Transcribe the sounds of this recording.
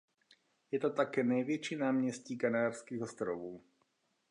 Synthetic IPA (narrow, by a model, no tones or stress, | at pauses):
jɛt̪ɔt̪akɛːnajʋɪɛt͡ʃinaːmɲɛsciːkanaːɾskiːɣɔst̪ɾɔʋuː